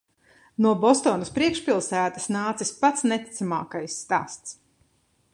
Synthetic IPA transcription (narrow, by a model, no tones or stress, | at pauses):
nuɔbɔst̪ɔːnɐspɾiɛkʃpʲilˠsæːt̪asnaːt̪sispat̪snɛt̪i̥t̪sama̰ːkajsːt̪a̰ːst̪s